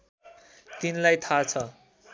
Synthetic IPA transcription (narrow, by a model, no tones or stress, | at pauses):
t̪inlajt̪ʰat͡sʰʌ